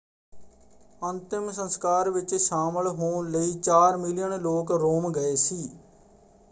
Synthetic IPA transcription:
ənt̪ɪmsənskaːɾʋɪt͡ʃʃaːməlɦoːnləiːt͡ʃaːɾmɪlɪjənloːkɾoːmɡəeːsiː

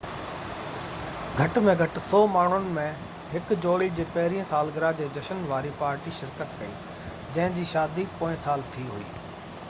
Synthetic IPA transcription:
ɡʱɐʈmẽɡʱɐʈ̆sɔːmaːɳ̤ʊnɪ̆mẽ | ɦɪkd͡ʑoːɽid͡ʑeːpɐɦɪɾijə̃saːlɡɪɾad͡ʑeːd͡ʑɐʃənʋaːɾipaːɾʈiʃɪɾkət̪kɐḭː | d͡ʑɐ̃ɦɪ̃d͡ʑiːʃaːd̪ipoːɪ̃saːlt̪ʰiɦʊ̰ḭː

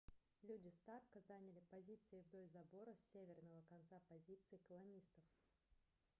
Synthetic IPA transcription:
lʲudʲɪst̪arkəzanʲɪlʲɪpɐzʲit̪sɨɪvd̪o̞lʲzɐbo̞ɾəsʲevʲɪrnəvəkɐnt̪sapɐzʲit̪sɨɪkəlˠɐnʲist̪əf

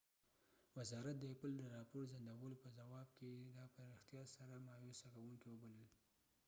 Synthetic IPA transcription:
wazɑɾat̪̚d̪əapəld̪əɾɑpoɾzand̪awəlopəzawɑbked̪ɑpəɾɪxt̪jɑsaɾamɑjosakawuŋkiwəbaləl

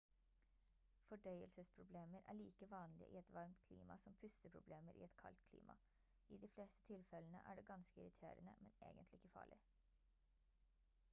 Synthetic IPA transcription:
fɔɖœʏəlsəspʰɾʊbleːməɾʔæ̰ːɭiːkəʋɑːnlɪəʔɪɛt̪ʋɑɾmt̪kʰlḭːmɑsɔmpʰʉst̪əpʰɾʊbleːməɾʔɪ̰ːɛt̪kʰɑ̰lt̪̚kʰlḭːmʔɑ̰ | iːd̪ifleːst̪ə̥t̪ʰɪlfɛlənə̰ʔæɖɛːɡɑnskəɪɾɪt̪ʰḛːɾənə̰mɛnḛːɡənt̪lɪɪkːəfɑ̰ːɭɪ

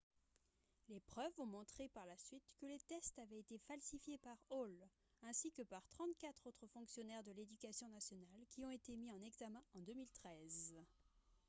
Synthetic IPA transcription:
lepχœvɔ̃mɔ̃t̪χepaʁlasɥit̪kəlet̪ɛst̪avɛet̪efalsifjepaʁol | ɛ̃sikəpaʁt̪χɑ̃t̪̚kʲat̪χot̪χəfɔ̃ksjɔnɛʁd̪əled̪ykʲasjɔ̃nasjɔnalkʲiɔ̃et̪emiɑ̃nɛɡzamɛ̃ɑ̃d̪ømilt̪χɛz

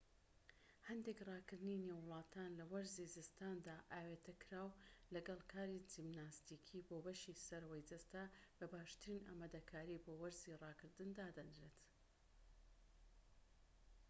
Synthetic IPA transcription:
hɐnd̪ekrˤɑːkɨɾd̪ɨnineːwːʊlˠɑːt̪ʰaːnlɐwɐɾzizɨst̪aːnd̪aːʔaːweːt̪ʰɐkʰɾaːwlɐɡɐlˠkʰaːɾid͡ʒimnaːst̪iːkʰiːboːbɐʃisɐɾwɐjd͡zɐst̪abɐbaːʃt̪ɨɾiːnʔa̰ːmad̪ɐkʰaːɾiːboːwɐɾziːrɑːkɨɾd̪ɨnd̪aːd̪ɐnɾeːt̪

